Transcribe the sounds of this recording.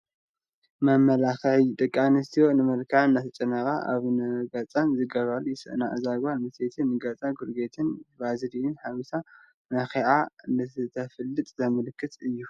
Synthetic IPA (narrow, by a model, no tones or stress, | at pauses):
mɐmːɐlaxʕt̪ʼɨkʼːanɨst̪ʰiwo̞nɨmɐlkʰaʕnːat̪ʰɐt͡ʃʼɐnɐkʼa̰ʔa̰βnɨɡɐt͡sʼanzɨɡɐβaljɪsɨ̰ʔnaʔɨzaɡamɨset̪ʰɨnːɨɡɐt͡sʼaɡuɾɡet̪ʰɨnβazɨdiɨnħawisʰa | naxeʕanɨɨt̪ʰɐfɨlːɨt̪ʼzɐmɨlɨkʰːɨt̪ʼɨjːu